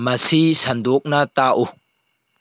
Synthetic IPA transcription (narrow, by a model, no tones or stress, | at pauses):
mɐsisɐnd̪ɔk̚nɐt̪aːʔu